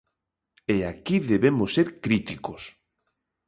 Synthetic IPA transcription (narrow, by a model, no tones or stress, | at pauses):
eakiðeβemoseɾkɾit̪ikos